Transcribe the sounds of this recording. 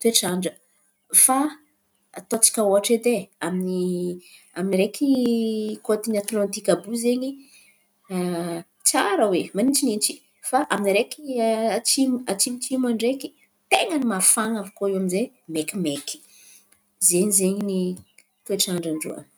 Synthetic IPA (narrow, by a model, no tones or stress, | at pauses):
t̪ueʈ͡ʂaɳɖ͡ʐə | fa | t̪ot͡si̥kʲaoaʈ͡ʂed̪eamini | aminiɾekʰi | kot̪iniat̪lɔ̃nt̪ikʲabuzeɲi | t͡saɾəwemanit͡ʃinint͡ʃi̥ | faʔaminiɾekiat͡ʃimat͡ʃimit͡ʃimaɳɖ͡ʐeki̥ | t̪eŋənimafaŋavḁkoewaminze | mekimeki̥ | zeɲizeɲini | t̪ueʈ͡ʂaɳɖ͡ʐaɳɖ͡ʐṵə̰